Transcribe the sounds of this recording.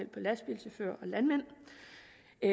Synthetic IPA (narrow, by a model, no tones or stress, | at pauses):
el̰̥̚pʰɒ̽læsb̥ilseføɐɒ̽lænmen̰